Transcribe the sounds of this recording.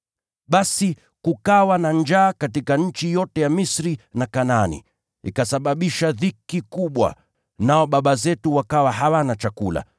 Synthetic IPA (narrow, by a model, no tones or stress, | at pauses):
ɓasi | kukawanand͡ʒaːkatikaɲ̩t͡ʃijɔtɛjamisɾinakananḭ | ḭkasaɓaɓiʃaðikikuɓwa̰ | naɔɓaɓazɛtuwakawaɦawanat͡ʃakula̰